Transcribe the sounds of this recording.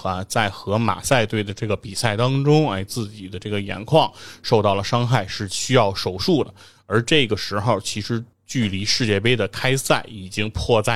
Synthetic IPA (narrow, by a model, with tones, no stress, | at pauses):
a˧˩t͡sa˥˩ɪxɤ˧˥ma̰˨˩sa˥˧ɪt̪we˥˩ɪd̪ə˩ʈ͡ʂɤ˥˩ɡə˩pi˨˩sa˥˩ɪt̪ɑ˥ŋʈ͡ʂʊ˥ŋɐ˥˧˩ɪt͡sɹ̩˥˩t͡ɕi˨˩d̪ə˦ʈ͡ʂɤ˥˩ɡə˩jɛ̰˧˥nkʰwɑ˥˧ŋʂo˥˧t̪ɑ˥˩ʊlə˩ʂɑ˥ŋxa˥˩ɪʂɻ̩˥˩ɕy˥jɑ˥˩ʊʂo˨˩ʊʂu˥˩d̪ə̰˩ | ə˞˧˥ʈ͡ʂɤ˥˩˧ɡə˩ʂɻ̩˧˥xo˥˩ʊt͡ɕʰi˧˥ʂɻ̩˧˥ | t͡ɕy˥˩li˧˥ʂɻ̩˥˧t͡ɕjɛ˥˩pe˥ɪd̪ə˨kʰa˥ɪsa˥˩ɪi˨˩t͡ɕi˥ŋpʰwɔ˥˧t͡sa˥˩